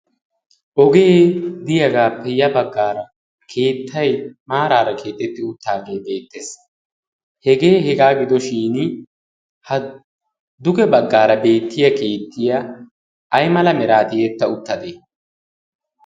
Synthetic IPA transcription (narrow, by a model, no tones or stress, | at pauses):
ʔɔɡe̞ːd̪ɪjɐɡaːpːɛjɐbɐɡːaːɾɐ | kʰe̞ːt̪ːɐjmaːɾaːɾɐkʰe̞ːt̪ʼːɛt̪ːɪʊt̪ːaːɡe̞ːbe̞ːt̪ːeːs | hɛɡe̞ːhɛɡaːɡɪd̪ɔʃiːnɪ | hɐ | d̪ʊɡɛbɐɡːaːɾɐbe̞ːt̪ːɪjɐke̞ːt̪ʰːɪjɐː | jmɐlɐmɛɾaːt̪ɪjet̪ːɐʊt̪ːɐd̪eː